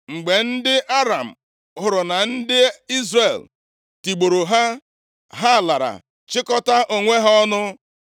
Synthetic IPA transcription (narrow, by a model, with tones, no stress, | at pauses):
ŋ͡m̩˨ɡ͡be˨n̩˦dɪ˦ʔa˦ɾa˨m̩˨ | ɦʊ˨ɾʊ˨na˨n̩˦dɪ˦i˦zɾe˨l | ti˨ɡ͡bo˨ɾo˨ɦa˦ | ɦa˦˨la˨ɾa̰˨ | t͡ʃɪ˦kɔ˦ta˦ʔo˨ŋʷe˦ɦa˦ɔ˦nʊ˦